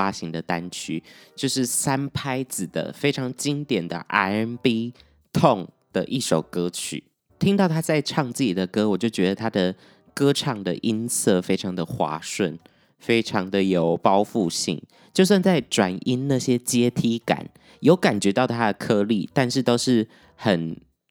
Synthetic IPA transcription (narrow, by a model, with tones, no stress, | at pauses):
a˦ɕi˧˥ŋd̪ə˨t̪a˦nt͡ɕʰy˥t͡ɕjo˥˧ʊʂɻ̩˥˩sa˥npʰa˥ɪt͡sɹ̩˨˩d̪ə̰˩fe˥ɪʈ͡ʂʰɑ˧˥ŋt͡ɕi˦˥ŋt̪jɛ˨˩nd̪ə̰˨ʔa̰˧˥ɪ˧˥npi˥ | t̪ʰo˥˨˩ŋd̪̥ə˨ʔi˥˩ʂo˨˩ʊkɤ˥t͡ɕʰy̰˨˩˦ | t̪ʰi˥ŋt̪ɑ˥˩ʊt̪ʰa˥t͡sa˥˧ɪʈ͡ʂʰɑ˥˧ŋt͡sɹ̩˥˩t͡ɕi˨˩d̪ə˩kɤ˥wɔ˨˩t͡ɕjo˥˩ʊt͡ɕɥɛ˧˦d̪ə˨t̪ʰa˥d̪ə˨ | kɤ˥ʈ͡ʂʰɑ˨˩ŋd̪ə˨ʔi˦nsɤ˥˩fe˥ɪʈ͡ʂʰɑ˧˥ŋd̪ə˨xwa̰˧˥˦ʂwə˥˩n | fe˥ɪʈ͡ʂʰɑ˧˥ŋd̪ə˨jo˨˩ʊpɑ˥ʊfu˥˧ɕḭ˥˩ŋ | t͡ɕjo˥˧ʊs̬wa˥˧nt͡sa˥˩ɪʈ͡ʂwa˨˩ni˥nna˥˩ɕjɛ˥t͡ɕjɛ˥t̪ʰi˥ka̰˨˩˦n | jo˧˥ʊka˨˩nt͡ɕɥɛ˧˦˥t̪ɑ˥˩ʊt̪ʰa˦˥d̪ə˨kʰɤ˥lḭ˥˨˩t̪a˥˧nʂɻ̩˥˧t̪o˥ʊʂɻ̩˥˩ | xə˨˩n